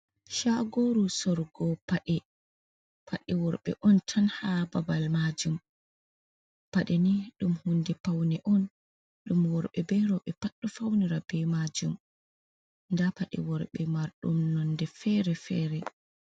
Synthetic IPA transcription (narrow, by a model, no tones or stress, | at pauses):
ʃaɡoɾusɔɾɡɔpaɗɛ | pʰaɗɛwɔɾɓɛ̰ʔɔntʰanhababalmad͡ʒum | paɗɛniɗumhundɛpawnɛʔɔn | ɗumwɔɾɓɛbɛɾɔɓɛpaɗːɔfawniɾab̥ɛmad͡ʒum | ndapaɗɛ̰wɔɾɓɛmaɾɗṵmnɔndɛfɛɾɛfɛːɾɛ